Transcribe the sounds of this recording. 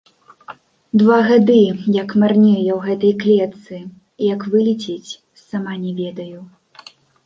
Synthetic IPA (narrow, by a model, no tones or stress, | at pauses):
d̪vaɣad̪ɨjɐkmarnʲɛjɐwɣɛt̪ɐjklʲɛt̪sɨ | ijɐkvɨlʲit͡sʲɛt͡sʲ | samanʲɛvʲɛd̪ɐju